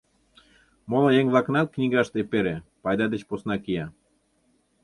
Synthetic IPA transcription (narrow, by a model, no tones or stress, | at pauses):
molɑjeŋβlˠɑknɑt̪̚knʲiɣɑʃt̪epeɾepɑjd̪ɑd̪et͡ɕposnɑkijɑ